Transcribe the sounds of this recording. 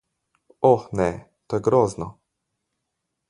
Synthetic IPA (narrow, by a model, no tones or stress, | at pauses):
ɔxnɛ | t̪oːjɛɡɾoːznɔ